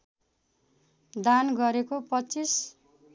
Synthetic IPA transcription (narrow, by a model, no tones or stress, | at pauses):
d̪anɡʌɾekopʌt͡sis